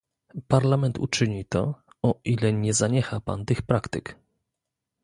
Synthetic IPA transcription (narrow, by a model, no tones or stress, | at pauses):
paɾlamɛnt̪ṵt͡ʂɘɲit̪ɔ | ɔʔilɛɲɛzaɲɛxapa̰nt̪ɘxpɾakt̪ɘk